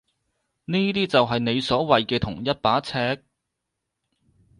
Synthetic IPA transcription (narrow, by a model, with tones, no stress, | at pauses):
niː˥t̪̬iː˥t͡sɐ˨wɦɐ˨jne˨˧jsɔː˨˥wɐ˨jkɛː˧t̪ʰʊ˨˩ŋjɐ˥t̚paː˨˥t͡sʰɛː˥k̚